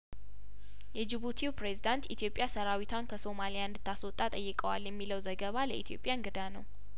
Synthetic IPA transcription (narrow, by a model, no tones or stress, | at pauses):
jɛd͡ʒɪβut̪ʰiwpɾe̞zid̪ant̪it̪ʰijo̞pʼjasəɾawit̪ʰwankʰəso̞malijaɨnd̪ɨt̪ʰːaswɔt̪ʼːat̪ʼəjːɨkʼəwa̰ljɛmːiləwzəɡəβaləʔit̪ʰijo̞̰pʼjanɡɨd̪anəw